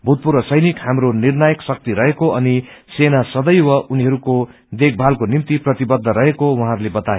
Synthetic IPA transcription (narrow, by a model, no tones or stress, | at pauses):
bʱut̪̚puɾʌsʌjnikhamronirnajʌksʌk̚t̪iɾʌɦekoʌnisenasʌd̪ʌjwʌuniɦʌɾuko | d̪ek̚bʱalkonimt̪iprʌt̪ibʌd̪ʱːʌɾʌɦekowaɦãɦɾulebʌt̪aeo